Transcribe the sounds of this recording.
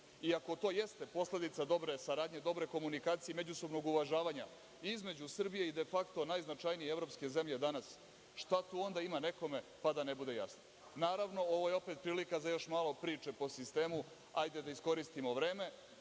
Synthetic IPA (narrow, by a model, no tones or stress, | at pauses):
iako̞t̪o̞jest̪e̞po̞sle̞d̪it̪sad̪o̞bɾe̞saɾaːd̪ɲe̞d̪o̞bɾe̞ko̞munikaːt̪sijeme̞d͡ʑuso̞bno̞ɡuʋaʒaːʋaːɲa̰ | izme̞d͡ʑusr̩bijeid̪e̞fakt̪o̞najznat͡ʃajnijeevɾo̞pske̞ze̞mʎe̞d̪anas | ʃt̪at̪uo̞nd̪aimane̞ko̞me̞pad̪anebud̪e̞ja̰sno | naːɾaʋno̞o̞ʋo̞je̞o̞pet̪̚pɾiːlikazajo̞ʃmaːlˠo̞pɾiːt͡ʃe̞po̞sist̪e̞ːmu | ajd̪e̞d̪aisko̞ɾist̪imo̞ʋɾe̞ːme̞